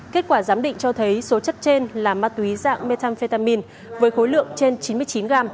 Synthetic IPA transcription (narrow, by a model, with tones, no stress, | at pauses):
ke˦˥t̚kwaː˧˩zaː˨˦mɗḭ˧˨ŋ̟t͡ɕɔ˧t̪ʰə˨˦jso˨˦t͡ɕə˦˥t̚t͡ɕe˧nlaː˨˩maː˦˥t̪̚wi˨˦za̰ː˧˨ŋme˧t̪ʰaː˧nfe˧t̪aː˧mi˧n | vəː˨˦jxo˨˦jlɨ̰˧˨əŋt͡ɕe˧nt͡ɕi˨˦nmɨ˧əjt͡ɕi˨˦nɣaː˧m